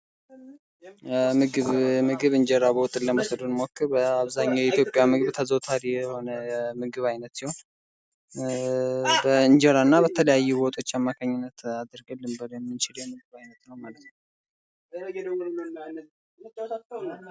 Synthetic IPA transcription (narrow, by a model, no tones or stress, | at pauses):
mɨɡɨβmɨɡɨβɨɲd͡ʒɛɾabowt̪ʼːɨləməsəd̪unmokːɨɾbəaβzaɲːawjɛit̪ʰjo̞pʼjamɨɡɨβt̪ʰəzəwt̪ʰaɾijɛho̞nəmɨɡɨβajnət̪sihon | bəɨɲd͡ʒɛɾanːabət̪ʰələjajːubo̞t̪ʼo̞t͡ʃːamːakʰaɲːɪnːət̪ad̪ɾɡəlɨmbəɾjɛmːɨnt͡ʃɪljɛmɨɡɨβajnət̪nəwmalət̪nə